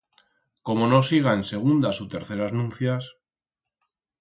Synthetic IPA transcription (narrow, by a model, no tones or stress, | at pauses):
ko̞mo̞no̞siɣ̞aense̞ɣ̞und̪asut̪e̞ɾθe̞ɾaznũn̟θjas